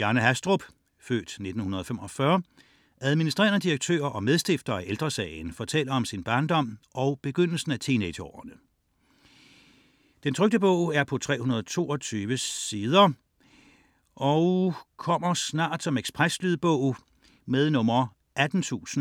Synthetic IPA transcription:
jɑːnəɦæsd̥ʁob̥ | fø̰ːd̥ne̝d̥n̩hunɐðˠfemɒ̽fɶɐ | æð̞ˠminisd̥ʁɛ̰ːɐnəd̥iʁɐɡ̥̚t͡sʰø̰ːɐʔɒ̽með̞ˠsd̥e̝fd̥ɐːæʔeld̥ʁɐsɛ̰ːɪnfɒt͡sʰel̰ɐɒ̽msinb̥ɑ̈ːnd̥ɒ̽m̰ʔɒ̽ʊb̥e̝ɡ̥øn̰l̩sn̩æt͡sʰinedɒ̰ːɐnə | d̥ent͡sʰʁœɡ̚d̥əb̥ɔʊ̰æɐpʰɒ̽t͡sʰʁɛ̰ːhunɐðˠt͡sʰo̝̰ːɒ̽t͡sʰyːʋəsið̞ˠɐ | ʔɒʊkʰɒ̽m̰ɐsnɑ̰̈ːd̥sɒ̽meɡ̥spʰʁaslyð̩ˠb̥ɔʊ̰ | meðˠnɔ̽mɐ | æd̥n̩t͡sʰṵːsn̩

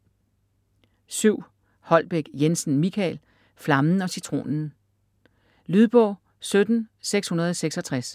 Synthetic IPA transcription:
syʊ̰ | hɒ̽l̰b̥eɡ̥jensn̩mikʰæl | flɑ̈mn̩ɒ̽sit͡sʰʁo̝̰ːnn̩ | lyðˠb̥ɔ̽ʊ̰ | sød̥n̩seɡ̥shunɐð̞̩ˠɒseɡ̥sɒ̽t͡sʰʁas

